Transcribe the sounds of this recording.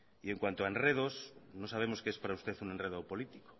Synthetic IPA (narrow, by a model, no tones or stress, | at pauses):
ie̞ŋkwant̪oaenreð̞osnosaβ̞e̞mo̞skespaɾaust̪e̞θune̞nreðopo̞lit̪i̥ko̥